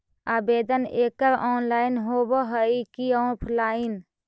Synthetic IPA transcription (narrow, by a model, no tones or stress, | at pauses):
aːbed̪əneːkəɾɔːnlaːɪnɦobɔɦəikiə̃pʰlaːin